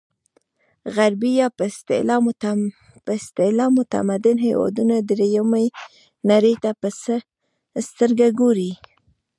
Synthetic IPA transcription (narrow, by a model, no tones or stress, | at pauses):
ɣaɾbijɑpəst̪ḛl | pəst̪elɑmʊt̪a̰mad̪ɪnɦajwɑ̰d̪unad̪ɾejamaj | naɾəjt̪apəsə | st̪əɾɡaɡoɾi